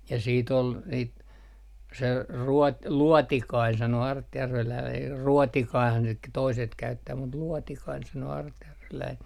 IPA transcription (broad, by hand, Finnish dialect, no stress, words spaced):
jɑ siːt ol niːt se ruo luɔtikɑin sɑno ɑrtjærʋelæin r ruɔtikɑihɑn sit k toiset kæytːæː mut luɔtikɑin sɑnoː ɑrtjærʋelæin